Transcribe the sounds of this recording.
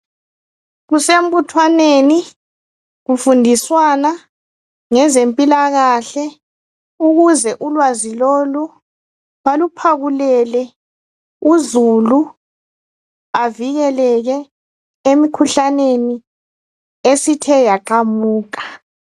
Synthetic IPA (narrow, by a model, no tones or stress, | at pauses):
ɣusem̩butʰwaneni | ɣufundʱiswana | ŋɛzempʼilaɣaɬɛ | uɣuzɛʔulwazilolu | walupʰaɣulɛlɛ | uzulu | aviɣɛlɛɣɛ | emikʰuɬaneni | esitʰɛjakʰʼamuːk̬ʼḁ